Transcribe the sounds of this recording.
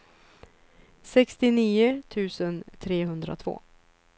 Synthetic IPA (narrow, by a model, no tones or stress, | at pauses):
sɛkst̪ɪniːʊt̪ʰʉ̟ːsənt̪ʰɾeːɦɵnd̪ɾa̰t̪ʰv̥o̰ː